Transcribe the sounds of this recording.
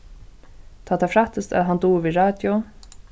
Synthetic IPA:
t̪ʰaːt̪ʰaːfɾaht̪əst̪æ̰ðɦant̪uːviɹɑːd̪jʊ

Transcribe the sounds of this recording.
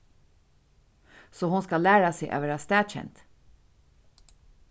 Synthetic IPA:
soːhʊnskɑlæːɾɑseɪʔɑ̰ːʋæːɾɑːst̪æːd̪çɛ̰nt̪

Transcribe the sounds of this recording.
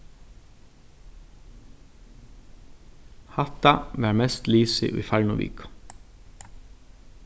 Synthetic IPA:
hat̪aʋæːɹmɛst̪liːsɪ̰ʔṵjfaɹnʊʋḭːkʊ̥

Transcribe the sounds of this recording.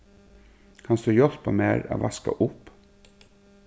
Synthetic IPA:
kʰɑnsd̪ʉːjɔɾpɑmeːɾo̰ːʋɑskɑ̰ʔʊp

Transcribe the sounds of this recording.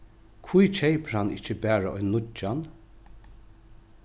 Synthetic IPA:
kʰvujt͡ʃʰɛjpɾhanɪ̰t͡ʃəbæːɹaʔɔjnːʊt͡ʃːan

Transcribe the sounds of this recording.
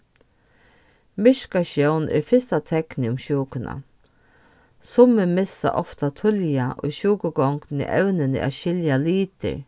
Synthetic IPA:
mɪʃkaʃjœwnʔɪ̰ɾfɪst̪at̪ʰɛknɪʊmɕuːkʊna̰ | sʊmːɪmɪsa̰ʔɔft̪at̪ʰʊljaʔojɕuːkʊɡɔŋknɪ̰ʔɛwnɪnɪ̰ʔa̰ɕɪljaliːt̪ɪ̰ɹ

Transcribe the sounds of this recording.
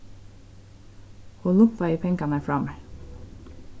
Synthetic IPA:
huːlʊmpɑiːpʰɛŋkɑnəfɹɑmə

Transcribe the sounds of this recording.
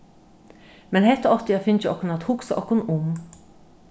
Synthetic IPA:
mɛnhɛt̪əɔft̪əjæfʏnçəɔkʊnɑt̪hʊksə̰ʔɔkʊnʊm

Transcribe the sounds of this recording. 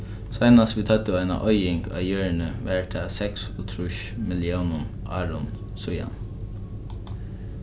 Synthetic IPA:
sɑɪnɑsʋiːt̪ʰɑt̪əæɪnɑ̰ʔœʏɪŋɡɑ̰ːjøːɹəɳəʋæɹʈʰɑːsɛksɔːt̪ʰɾʉʃ | mɪlɪuːnʊnʔɑːɹʊn | sʊjɑ̰n

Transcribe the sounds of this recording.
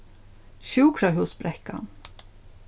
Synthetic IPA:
ʃʉːkʰɾɑɦʉːsbɾɛkɑ̰n

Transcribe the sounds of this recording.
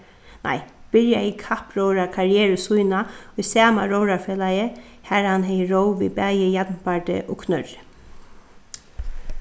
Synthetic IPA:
nʔa̰jb̥ɪɹjaikʰahpɹowɹakʰaɹɪɛːɹəsujnaʊjsɛːma̰ɹowɾaɹfeːlajɪ | hæɹhanɦɛjɪɹowvḭbæːjɪjat̪npaɹt̪ɪ̰ʔɔ̰kʰnœɹɪ

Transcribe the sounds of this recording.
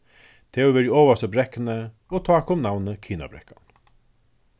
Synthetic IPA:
t̪ʰeːɔʋɛːɾioːʋast̪əbɾɛkənə | oːt̪ʰɑːkʊmnawnəkʰiːna̰bɾɛ̰kan

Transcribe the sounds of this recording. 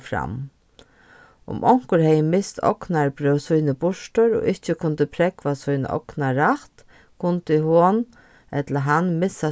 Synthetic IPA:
fɾa̰m | ʊ̰mʔɔŋ̥kʊɾhɛjəmɪst̪ʰɔ̰knaɹbɾœwsujnɪbʊʂʈəɾɔ̰ːʔɪht͡ʃɪkʰʊnt̪ɪpʰɾɛkʋasujn̰ʔɔ̰knaɾaht̪ | kʰʊnt̪ɪhoːn | ɛt̪laɦanmɪsːa

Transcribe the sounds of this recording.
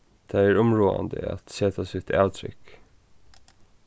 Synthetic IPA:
d̪̥ææːɹʊmɹuːɑ̰nd̪ə̰ɑ̰t̪sɛːt̪ʰɑsʉːt̪ɑt̪ʰɾʏ̰k

